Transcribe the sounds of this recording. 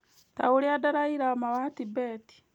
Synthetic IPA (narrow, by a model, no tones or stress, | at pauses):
ta̰uɾiadaɾaiɾamawatibeːti̥